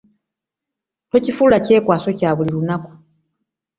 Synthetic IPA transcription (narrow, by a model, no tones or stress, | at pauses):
to̞cifulace̞ːkwaːsocaːβulilunaku̥